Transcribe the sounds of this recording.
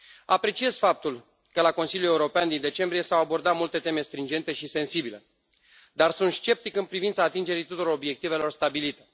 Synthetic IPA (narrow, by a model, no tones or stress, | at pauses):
apɾe̞t͡ʃie̞z̥fap̚t̪ul | kəlako̞nsiljule̞uɾo̞peand̪ind̪e̞t͡ʃe̞mbɾije̞sawabo̞rd̪at̪mult̪e̞t̪e̞me̞st̪ɾind͡ʒe̞nt̪e̞ʃise̞nsibile̞ | d̪arsunt̪st͡ʃe̞p̚t̪ikɨnpɾivint̪saːt̪ind͡ʒe̞ɾit̪ut̪uɾoo̞bje̞k̚t̪ive̞lo̞rst̪abilit̪e̞